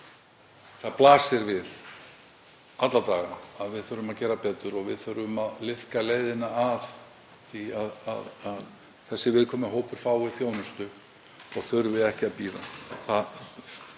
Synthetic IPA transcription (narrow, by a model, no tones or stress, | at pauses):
θaðplaːsɪɾvɪð | at̪lat̪aːɣaaðvɪðθœɾʏmaðcɛːɾapɛːt̪ʏɾɔɣvɪðθœɾʏmaðlɪhkaleːjðɪnaːð | θiaða̰ðað | θɛsːɪvɪðkʰɔːmɪɦoːwpʏɾ̥faːwɪðθjoːwnʏst̪ʏ | ɔɣθʏɾvɪðɛhcɪaðpiːɾa̰θa